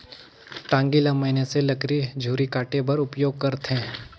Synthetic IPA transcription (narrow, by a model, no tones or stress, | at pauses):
t̪ãːŋɡilɐməɪneselɐkɾid͡ʒʱuːɾikaːʈẽbɐɾʊpjoːɡ̚kɐɾt̪ʰẽː